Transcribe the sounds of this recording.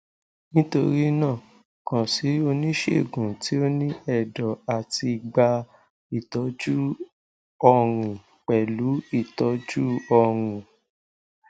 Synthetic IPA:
nĩ˦to˧ɾi˦nãː˦˨ | kã˨si˨˦o˧nĩ˦ʃḛ˦˨ɡũ˨ti˨˦o˧nĩ˦ɛ˦˨dɔ˨a˨ti˧ɡ͡ba˧ | i˦˨tɔ˨˦d͡ʒu˦ | ɔ˧˨ɾ̃ĩ˨ | k͡pɛ˨lu˨˦i˦˨tɔ˨˦d͡ʒu˦ɔ˧˨ɾ̃ũ˨

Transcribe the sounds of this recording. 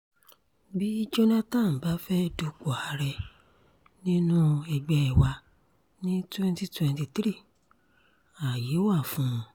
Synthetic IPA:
bi˦d͡ʒo˦nã˦tã˦˨n̩˨ba˨˦fɛ˦do˧k͡po˨a˧ɾɛ˧ | nĩ˦nũ˦ɛ˨ɡ͡bɛ˧ɛ˨wa˧ | nĩ˦tɛ̃˦n˦ti˦tɛ̃˧n˦ti˧tɾi˦˨ | a˨je˨˦wa˦˨fũ˦˧

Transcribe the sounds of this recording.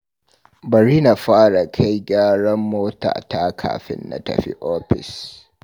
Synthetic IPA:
bɐ˨ɾiː˦na˨ɸaː˦ɽa˨kʰa˦jɡʲaː˦ɽɐ˦mːoː˦ta̰ː˨ta˦kʰa̰ː˨ɸɪ̰˦nːa̰˨tɐ̰˨ɸḭ˦ʔoː˦ɸɪ˨s

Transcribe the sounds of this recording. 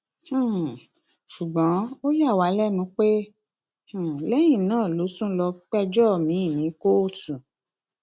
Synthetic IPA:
hũ˦˨ | ʃu˨ɡ͡bɔ̃˨˦o˦ja˦˨wa˨˦lɛ˦nũ˧k͡pe˦ | hũ˦˨lɛ˦j̃ĩ˦˨nãː˦˨lo˨˦sũ˦lɔ˧k͡pɛ˦d͡ʒɔ˦˨mĩ˨˦i˦˨nĩ˨˦ko˦o˦˨tũ˨

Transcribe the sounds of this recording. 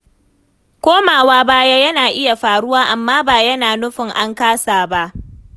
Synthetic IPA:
kʷoː˦maː˨waː˦baː˦ja˦jɐ˦naː˨ʔɪ˦ja˨ɸaː˨ɽʊ˦waː˦ʔa˨mːaː˦baː˨jɐ˦naː˨nʊ˦ɸɪ˨ŋʔa˦ŋkaː˦saː˨ba˦ʔ

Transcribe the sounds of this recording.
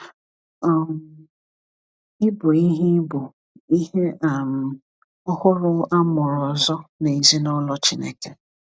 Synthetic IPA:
ɔ˨m | ɪ˦bʊ˨i˦ɦi˦bʊ˨ | i˦ɦe˦ʔa˨m̩˨ | ɔ˦hʊ˦ɾʊ˦a˦mʊ˨ɾʊ˨ɔ˨zɔ˦ne˨i˨zi˦nɔ˦lɔ˦t͡ʃi˦nḛ˦ke˨

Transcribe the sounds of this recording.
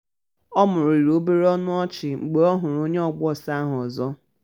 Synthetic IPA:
ɔ˦mʊ˨ɾʊ˨i˨ɾo˦be˦ɾe˦ɔ˦nʊ˦ɔ˦t͡ʃɪ˨ŋ͡m̩˨ɡ͡be˨ɔ˦ɦʊ˨ɾʊ˨o˦ɲe˦ɔ˦ɡ͡bɔ˦˨sa˦ɦɔ˨zɔ˦

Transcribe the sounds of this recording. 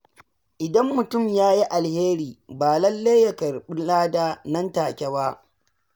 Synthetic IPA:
ʔɪ˨dɐ˦mːʊ˨tʊ˦˨mjaː˦ji˦ʔa˨lheː˦ɾiː˨baː˨lɐ˦lːe˦jja˦kɐ˨ɾɓɪ˦laː˦daː˦nɐ˦ntaː˨kʲɛ˦ba˦ʔ

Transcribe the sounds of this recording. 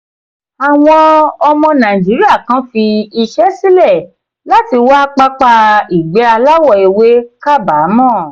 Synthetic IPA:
a˨w̃ɔ̃˧ɔ˧mɔ̃˧nã˨i˨d͡ʒi˨˦ɾi˦a˦˨kã˦fi˧i˧ʃɛ˦si˦lɛ˦˨ | la˦ti˧wa˦k͡pa˧k͡pa˧i˨ɡ͡bɛ˨˦a˧la˦wɔ˦˨i˨we˨˦ka˦˨ba˨˦mɔ̃˦˨

